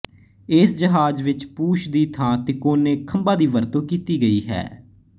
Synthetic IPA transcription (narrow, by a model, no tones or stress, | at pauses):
ɪsd͡ʒəɦaːd͡ʒʋɪt͡ʃpuːʃd̪iːt̪ʰãːt̪eːkoːneːkʰəmbaːd̪iːʋəɾt̪õːkiːt̪iːɡəiːɦɛ̰ː